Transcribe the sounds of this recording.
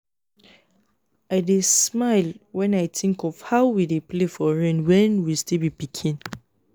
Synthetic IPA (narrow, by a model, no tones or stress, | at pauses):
aɪdesmaɪlwɛ̃naɪθʰĩŋkɔfhaʊwideplefɔɹɛ̃nwɛ̃nwistilbipikʰĩn